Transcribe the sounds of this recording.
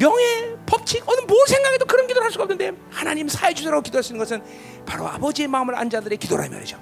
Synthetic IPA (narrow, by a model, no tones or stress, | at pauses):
mjʌŋe̞pʌp̚t͡ɕʰikʌnɯnmonsʰeŋɡaɡedokɯɾʌnkidoɾɦaɭs͈uɡaʌpnɯnde̞ | hanaɲimsʰaed͡ʑusʰeɾaokidoas͈uinɯnŋɡʌsʰɯn | paɾo̰a̰bʌd͡ʑie̞maɯmɯɾa̰nd͡ʑadɯɾe̞kido̰ɾa̰mjʌ̰ɾḛd͡ʑo